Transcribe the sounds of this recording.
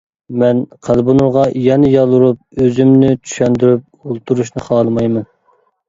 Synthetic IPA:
mɛnqʰælˠbunuɾʁɑjɛnɪjɑlˠːuɾup̚øzymnɪt͡ʃʰy̥ʃɛnd̪yɾyp̚olˠt̪ʰuɾuʃnɨχɑːlˠɨmɑjmɛn

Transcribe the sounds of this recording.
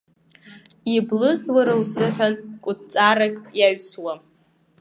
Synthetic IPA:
iblɨzwaɾawzɨħʷᶣankʷʼʊtt͡sʼaɾakʼjaɥswa

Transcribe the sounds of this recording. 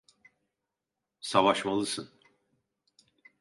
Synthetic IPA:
savaʃmalˠɯsɯn

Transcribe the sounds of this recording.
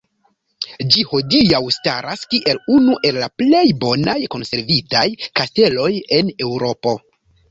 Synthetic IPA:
d͡ʒiho̞diawstaɾaskiʔe̞lunuʔe̞lːaple̞jbo̞najko̞nse̞ɾvitajkaste̞lo̞je̞ne̞wɾo̞po̞

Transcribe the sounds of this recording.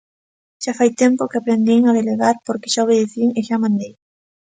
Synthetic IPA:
ʃafajt̪empokeapɾend̪iŋaðeleɣaɾpoɾke̥ʃaoβeðeθiŋeʃamãnd̪ej

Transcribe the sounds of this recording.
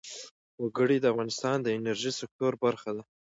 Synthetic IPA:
waɡəɽid̪əafɣɑnɪst̪ɑnd̪əɪnaɾʒisɪk̚t̪oɾbaɾxad̪a

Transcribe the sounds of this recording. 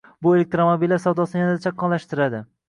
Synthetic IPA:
bʊe̞lek̚t̪ɾomobijlːaɾsawd̪ɒsjand̪at͡ʃʰaqʰːɒnlaʃt̪ɪɾad̪ɪ

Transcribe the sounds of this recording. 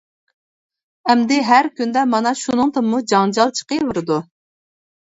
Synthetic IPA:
ɛmd̪ɪɦæɾkʲynd̪ɛmɑnɑʃunɨŋt̪ɨmːud͡ʒɑŋd͡ʒɑlˠt͡ʃʰə̥qəvuɾɨd̪u

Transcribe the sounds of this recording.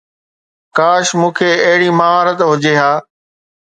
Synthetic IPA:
kaːʃmũːkʰeɐɦɪɽimaɦaːɾət̪ɦʊd͡ʑeɦaː

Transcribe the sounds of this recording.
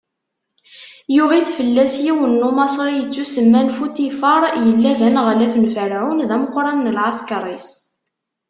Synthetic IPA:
jʊʁiθfəlːæsjiwənːumɑsˤɾijət͡sːusəmːænfut̪ifəɾˤjəlːæðænʁlæfənfəɾʕunðæməqːɾˤɑnːəlʕɑskɾˤis

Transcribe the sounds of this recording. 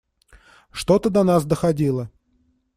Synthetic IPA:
ʂt̪o̞t̪əd̪ɐnasd̪əxɐdʲilˠə

